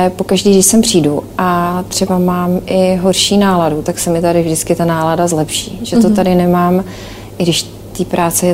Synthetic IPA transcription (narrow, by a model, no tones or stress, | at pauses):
ɛpo̞kaʒdiːɡdɪʃsɛmpr̝̥iːduʔat̪r̝̥ɛbamaːmʔɪɦo̞rʃiːnaːladut̪aksɛmɪt̪adɪvdɪt͡skɪt̪anaːladazlɛpʃḭːʒɛt̪ot̪adɪnɛmaːm | ʔɪɡdɪʃ | t̪iːpɾʔaːt͡sɛ